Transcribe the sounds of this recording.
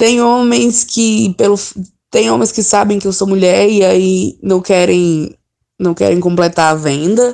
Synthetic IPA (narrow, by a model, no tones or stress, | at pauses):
t̪ẽj̃õmẽj̃skɪpelʊf | t̪ẽj̃õmẽj̃skɪsabẽj̃kɪewsomuʎɛɾiainɐ̃w̃kɛɾẽj̃ | nɐ̃w̃kɛ̰ɾẽj̃kõmplet̪aɐvẽd̪ɐ